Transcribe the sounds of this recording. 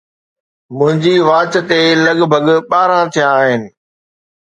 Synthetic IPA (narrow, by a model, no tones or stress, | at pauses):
mʊ̃ɦɪ̃ɲd͡ʑiʋaːt͡ɕt̪elɐɠbʱəɠɓaːɾãt̪ʰijãːɦɪnɪ̆